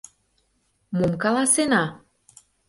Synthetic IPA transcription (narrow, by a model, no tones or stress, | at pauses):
momkɑlɑsenɑ